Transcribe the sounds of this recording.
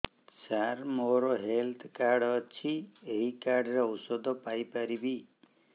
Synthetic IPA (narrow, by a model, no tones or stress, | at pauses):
saɾmoɾɔɦelt̪ʰkaɾɖɔt͡ʃʰieɦikaɾɖɾeɔwsɔd̪ʱɔpajpaɾibi